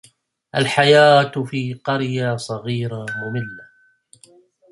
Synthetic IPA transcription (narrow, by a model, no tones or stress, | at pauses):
ʔalħajaːt̪fiːqɑɾjasˤɑɣiːɾamʊmɪlːa